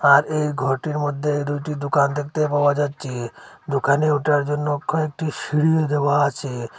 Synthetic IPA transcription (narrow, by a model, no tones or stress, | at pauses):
aɾejɡʱoʈiɾmod̪ʱːed̪ujʈid̪okand̪ek̚ʰt̪epawad͡ʑatːɕʰed̪okaneuʈaɾd͡ʑonːokʰɔek̚ʈiʃiɽied̪ewaat͡ɕʰe